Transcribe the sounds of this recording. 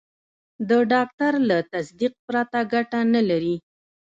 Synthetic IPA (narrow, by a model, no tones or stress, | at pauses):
d̪əɖɑk̚t̪aɾlat̪asd̪iq̚pɾat̪aɡaʈanalaɾi